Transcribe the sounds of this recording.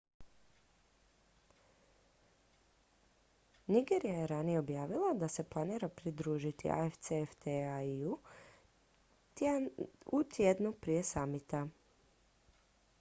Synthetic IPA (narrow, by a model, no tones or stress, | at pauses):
niɡeɾijajeɾanijeo̞bjaːʋilˠad̪ase̞plˠaniɾapɾid̪ɾuːʒit̪ḭʔa̰eft̪seft̪eaiu | ut̪jed̪nupɾije̞samit̪a